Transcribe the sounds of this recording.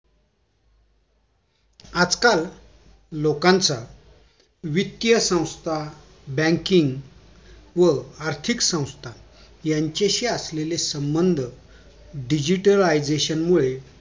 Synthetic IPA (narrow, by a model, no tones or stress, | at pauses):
ad͡zkal | lokãnt͡sa | ʋit̪jəsə̃w̃st̪ʰa | bɛ̃ŋkiŋɡ | ʋəaɾt̪ʰiksə̃w̃st̪ʰa | jaɲt͡ɕeɕiaslelesəmbənd̪ʱ | ɖid͡ʑiʈəlajd͡zeɕənmuɭe